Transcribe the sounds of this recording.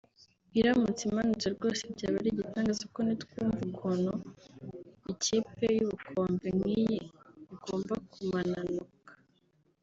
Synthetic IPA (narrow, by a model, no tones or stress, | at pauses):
iɾamut͡simanut͡seɾɡo̞ːsebɟaːβaɾiɟitaːŋɡazakonitkuːɱvukʰono | iciːpe̞juβukʰo̞ːmbemŋiːjeiɡ̥o̞ːmbakumananukḁ